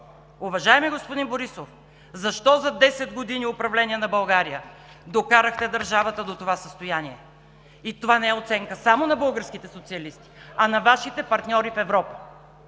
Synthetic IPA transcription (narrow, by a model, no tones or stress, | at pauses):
ʊvɐʒaɛmiɡospod̪inboɾisof | zɐʃt̪ɔzɐd̪ɛsɛd̪ɡod̪iniʊpɾɐvlɛniɛnɐbɐlˠɡaɾijə | d̪okaɾəxt̪ɛd̪ɐɾʒavət̪əd̪ot̪ovasəst̪ojaniɛ | it̪ovanɛɛot̪sɛŋkəsamonɐbɤlˠɡəɾskit̪ɛsot̪siɐlist̪i̥ɐnɐvaʃit̪ɛpɐɾt̪nʲɔɾifɛvɾɔpə̥